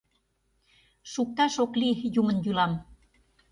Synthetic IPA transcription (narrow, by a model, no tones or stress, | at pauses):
ʃuk̚t̪ɑʃoklijumənjylɑm